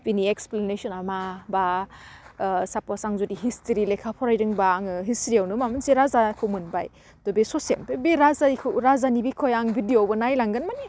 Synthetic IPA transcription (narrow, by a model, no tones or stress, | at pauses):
pinieksplenesɔnamaba | sapɔsaŋzudiɦistiɾilekʰapʰɔɾajɾɯŋbaŋɯɦistɾiawnɯmamɯnseɾazakʰɯwmɯnba̰j | d̥ɔbesosḛnpebeɾazaikʰɯwɾazanibikʰɔjaŋbʱidiobɐnajlaŋɡɯnmani